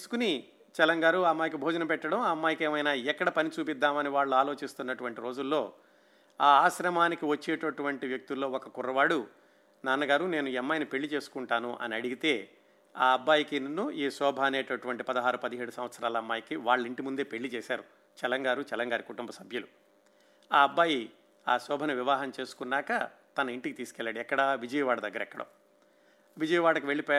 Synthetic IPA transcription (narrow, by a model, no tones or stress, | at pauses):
isu̥kuni | t͡ʃɛlɐŋɡaːɾuamːaːjik̬ibʱoːd͡ʒɐnɐpɛʈːɐɽɐmɐmːaːjikeːmɐjnaːɛkːɐɽɐpɐnit͡ʃuːpid̪ːaːmɐniʋaːɭːuaːlo̞ːt͡ʃist̪unːɐʈuʋɐɳʈiɾo̞ːd͡ʒulːo̞ː | aːaːʃɾɐmaːnikiʋɐt͡ʃːeːʈɐʈuʋɐɳʈiʋjɐk̚t̪ilːo̞ːɔkɐkurːɐʋaːɽu | naːnːɐɡaːɾune̞ːnuɛmːɐjnipe̞ɭːit͡ʃe̞ːsu̥kuɳʈaːnuʔɐ̰niɐɽiɡit̪e̞ː | a̰ːɐbːaːjikinnːuʔiːsɔːbʱɐɐneːʈɐʈuʋɐɳʈipɐd̪ɐɦaːɾupɐd̪iɦeːɽusɐmʋɐt̪sɐɾaːlɐmːaːjkiʋaːɭːɐiɳʈimund̪eːpe̞ɭːit͡ʃɛːsaːɾu | t͡ʃɛlɐŋɡaːɾut͡ʃɛlɐŋɡaːɾikuʈumbɐsɐbʱjɐlu | aːɐbːaːji | aːsɔːbʱɐnuʋiʋaːɦɐmt͡ʃe̞ːsu̥kunːaːkɐ | t̪ɐnɐiɳʈikit̪iːsu̥kɛlːaːɽiɛkːɐɽɐʋid͡ʒɐjɐʋaːɽɐd̪ɐɡːɐɾɛkːɐɽɐ̰ | ʋid͡ʒɐjɐʋaːɽɐkiʋe̞ɭːipɔː